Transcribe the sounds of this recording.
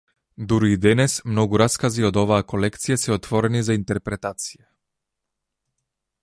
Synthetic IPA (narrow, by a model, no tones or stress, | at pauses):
d̪uɾuid̪ɛnɛsmnɔɡuɾaskaziɔd̪ɔvaːkolɛkt̪sijasɛɔt̪vɔɾɛnizaint̪ɛɾpɾɛt̪at̪sija